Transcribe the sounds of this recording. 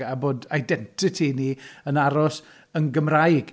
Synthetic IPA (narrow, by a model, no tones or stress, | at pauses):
aboːdajdɛntʰɪtʰiniənaɾɔs | ənɡəmrajɡ̥